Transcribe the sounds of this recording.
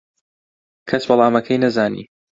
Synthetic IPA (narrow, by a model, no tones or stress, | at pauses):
kʰɐswɐlˠaːmɐkʰɐjnɐzaːnḭː